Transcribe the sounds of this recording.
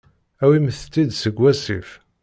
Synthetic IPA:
æwiməθt̪ːid̪səɡʷːæsḭf

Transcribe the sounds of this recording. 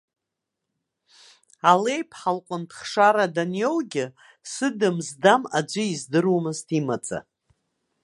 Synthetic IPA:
ale̞jpʰħalqʷʼʊntʰχʂaɾadanjowɡʲɪ | sɨdɨmzdamad͡ʒʷɪizdɨrwmɨztʰimat͡sʼa̰

